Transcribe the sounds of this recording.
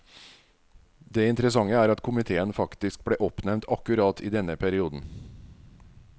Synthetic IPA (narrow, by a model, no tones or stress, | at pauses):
d̪eːɪnt̪əɾəsɑŋəæːɾɑt̪kʰʊmɪt̪ʰeːənfɑkt̪ɪsk̚bleːʔɔpnɛmnt̪ʰɑkʉɾɑːt̪ʰiːd̪ɛnəpʰæɾɪuːd̪n̩